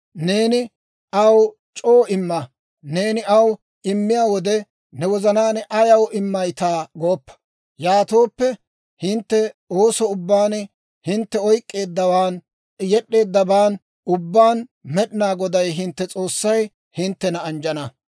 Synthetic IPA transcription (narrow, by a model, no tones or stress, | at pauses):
ne̞ːnɪ | ʔɐw | t͡ʃʼo̞ːʔɪmːɐ | ne̞ːnɪʔɐw | ɪmːɪjaːwɔd̪ɛ | nɛwɔzɐnaːnɛʔɐjɐwʔɪmːɐjt̪aːɡoːpːɐ̥ | jaːt̪o̞ːpːɛ | hɪnt̪ːɛoːsɔʊbːaːnɛ | hɪnt̪ːɛɔjkʼːe̞ːd̪ːɐwaːn | jɛɗːe̞ːd̪ːɐbaːn | ʊbːaːnmɛɗɪnaːɡɔd̪ɐjɦɪnt̪ːɛt͡sʼo̞ːsːɐj | hɪnt̪ːɛnɐːnd͡ʒɐnɐ